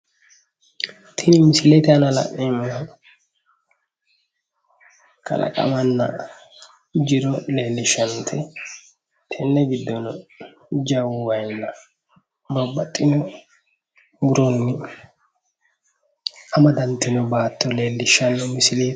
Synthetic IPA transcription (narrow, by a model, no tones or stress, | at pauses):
t̪ʰɪnɪmɪsɪlet̪anɐlɐ̰ʔɪmɐ | kʰɐ̰lɐ̰kʼɐ̰mɐnːɐ̰ | d͡ʒɪɾɔleːlːɪʃɐnt̪ʰɛ | t̪ʰɛnːɛɡɪd̪ːɔn | d͡ʒɐwwɐjnːɐ | bɐbːɐt̪ʼːɪnɔ | bʊɾɔnːɪ | ɐmɐd̪ɐnt̪ːɪnɔbaːt̪ːɔleːlːɪʃːɐnːɔmɪsɪleː